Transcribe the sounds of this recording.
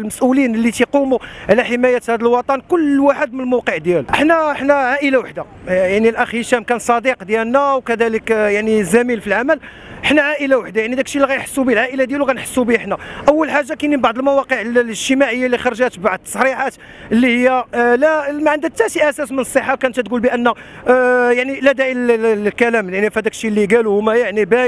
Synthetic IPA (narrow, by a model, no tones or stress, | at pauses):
lməsʔulinəlːit̪iqumuʕlæħəmæjæt̪hæd̪əlwɑt̪ˤɑnkʊlːwaħəd̪̚mənəlmowqəʕd̪jæluʔəħnæəħnæʕaʔəlawaħd̪a | jaʕnilʔæxiʃæmkænsˤɑd̪iqd̪jælnːæwkæd̪æləkjaʕnizæmilfilʕaməl | ʔəħnæʕaʔəlawaħd̪ajaʕnid̪ækʃilːiɣæjnħə̥sːubilʕaʔəlad̪jæluɣænħə̥sːubiəħnæʔəwːəlħaʒːakinibaʕd̪ˤəlmæwɑqəʕlʒt̪əmaʕəjːalːixɑɾˤʒæt̪baʕd̪sˤɾiʕat̪ | əlːihəjːælæmæʕənd̪ək̚t̪ːæt̪iʔæsæsmənəsˤːəħːakænt̪æt̪ɡulbiʔənːæ | jaʕniʔlæd̪æjkælæmljaʕnifhæd̪ækʃːilːiɡæluhʊmæjaʕnibæ